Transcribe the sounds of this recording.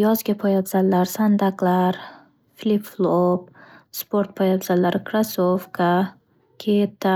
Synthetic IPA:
jɒzɡʲapʰɒjab̪z̥allːaɾsand̪aklaɾ | flʲipflˠop̚spʰoɾt̪̚pʰɒjabzalːaɾɪkɾasofkʰa | kʲʰet̪ʰːa

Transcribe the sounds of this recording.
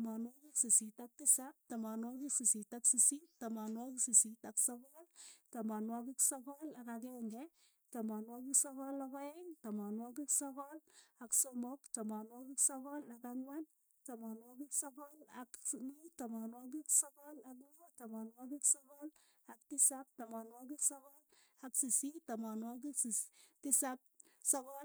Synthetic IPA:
manwɔkiksisitak̚tisap̚tamanwɔkiksisitaksisittamanwɔkisisitaksɔkɔltamanwɔkiksɔkɔlakakɛŋɡɛ | tamanwɔkiksɔkɔlɔkɔɛŋtamɔnwɔk̬iksɔkɔlaksɔmɔktamanwɔkiksɔkɔlakaŋwan | tamɔnwɔkiksɔkɔlakmutamɔnwɔk̬iksɔkɔlak̬lɔtamɔnwɔk̬iksɔkɔl | aktisap̚tamɔnwɔk̬iksɔkɔlaksisitamɔnwɔk̬iksistisap̚sɔkɔl

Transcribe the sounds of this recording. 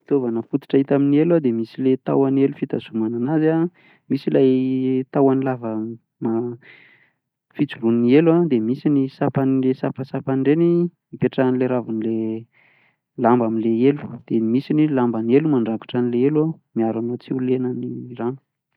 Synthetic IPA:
it̪ovanəfut̪u̥ʈ͡ʂait̪aminielwad̪emisilet̪a̰wanelufit̪azumananaza | misilajt̪awanilavə | ma | fit͡sulunnielad̪emisinisapanlesapasapaniɳɖ͡ʐeni | mipeʈ͡ʂanileɾavunile | lambamileelu̥d̪̥emisinilambanielumaɳɖ͡ʐaku̥ʈ͡ʂanileelwamiaɾanot͡siulenəniranu̥

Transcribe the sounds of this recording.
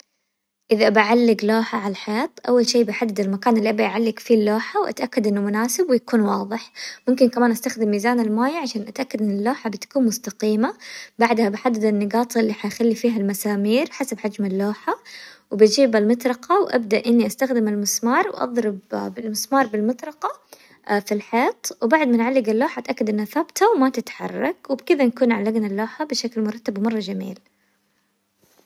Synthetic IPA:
ʔɪðaʔbaʕalːɪɡloːħaʕalaħeaːt̪ʔawːalʃiːbɪħad̪ːɪd̪ɪlmakaːnɪlːiʔabaʔʕalːɪɡfilːoːħawʔa̰t̪ʔakːad̪ʔɪnːʊmʊnaːsɪbwɪjakuːnwɑːðˤɨħmʊmkɪnkamaːnʔast̪axd̪ɪmːiːzaːnɪlmaːjʕaʃaːnʔat̪ʔakːad̪ʔɪnːɪlːoːħabɪt̪ḁkuːnmʊst̪aqiːmabaʕd̪habɪħad̪ːɪd̪ɪnːɪɡɑːt̪ˤʔɪlːiːħajxalːifiːɦalmasaːmiːɾħasabħad͡ʒmɪlːoːħawbɪd͡ʒiːbalmɑt̪ˤɾˤɑqɑwʔa̰b̚d̪aʔʔɪnːiʔast̪axd̪ɪmɪlmɪsmɑːɾˤwʔɑ̰ðˤɾɪbbɪlmɪsmɑːɾˤbɪlmɑt̪ˤɾˤɑqɑ | filħeːt̪ˤwbaʕd̪mɪnʕalːɪɡalːoːħaʔt̪ʔakːad̪ʔɪnːaθabt̪ʰawmat̪ɪt̪ħɑ̰rˤːɑ̰kwɪbkɪðanakuːnʕalːaɡnalːoːħabɪʃaklmʊɾˤɑt̪ːabwmɑrˤːɑd͡ʒamḭːl

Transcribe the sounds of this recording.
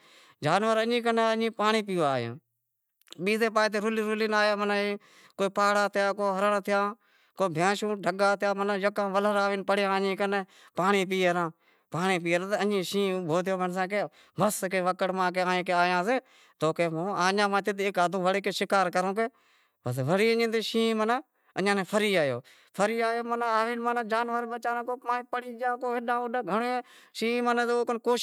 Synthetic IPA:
d͡ʒaːnʋəɾəɲĩːkəneəɲĩːpaːɳiːp̬iːaːjã̰ː | ɓiːzeːp̬aːt̪eːɾʊliːɾʊlinaːjãːmənːiː | koːpaːɽaːt̪ʰɪjãːkoːɦəɾəɳt̪ʰɪjãː | koːbʱãːʃũːɖʱəɡaːt̪ʰɪjãːmənːjəkãːʋələɾaːʋiːnpəɽjãːɲĩːkəneː | paːɳiːp̬iːɾãː | paːɳiːp̬iːɾãːt̪ənĩːʃĩːbʱoːt̪ɪjoːməns̬ãːkeː | bəskeːʋəkəɽmãːk̬eːãːẽːkeːaːjãːseː | t̪oːkeːmõːaːɲãːmãːt̪ɪt̪eːkaːd̪õːʋəɽeːkeːʃɪkaːɾkəɾõːk̬eː | bəsʋəɽiːəɲĩːt̪eːʃĩːməna | əɲãːnẽːpʰəɾiːaːjo̰ː | pʰəɾiːaːjoːmənaːʋiːnmənːd͡ʒaːnʋəɾbət͡ʃaːnãːkoːpãːpəɽiːd͡ʒãːkoːeɗãːʊɗaːɡʱəɳoːʃiːməneːt̪ːoːkənkoː

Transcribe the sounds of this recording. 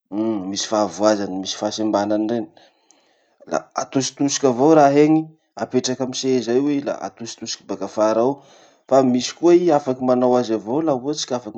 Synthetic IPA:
misi̥favuazanimisi̥fasimbananiɳɖ͡ʐen | la̰at̪usi̥t̪usi̥kʲavowɾaɦeŋi | apeʈ͡ʂakamisezajwela̰a̰t̪usi̥t̪usi̥kibaɡafaɾaw | famisi̥kuaiafakimanawazavowlaut͡si̥kʲafak

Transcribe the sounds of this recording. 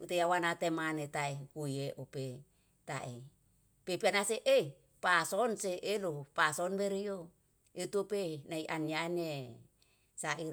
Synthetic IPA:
ut̪ejawanat̪emanet̪aekujeʔope | t̪a̰ʔe | pepianaseʔe | pasonseʔelopasonbeɾio | eut̪uopenaiʔaniane | saʔiɾ

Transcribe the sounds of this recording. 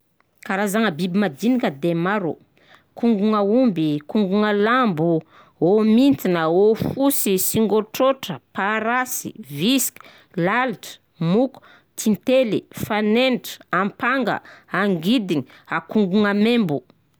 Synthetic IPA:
kaɾazaŋəbibimad̪inikʲəd̪emaɾu | kuŋɡuŋəumbikuŋɡuŋəlambu | omint̪inəofusisiŋɡoʈ͡ʂoʈ͡ʂəpaɾasḭviski̥ | lalʈ͡ʂə̥ | muku̥ | t̪ʰint̪elḭfanenʈ͡ʂə̥ampaŋɡə̰aŋɡid̪iɲi | akuŋɡuŋəmembu

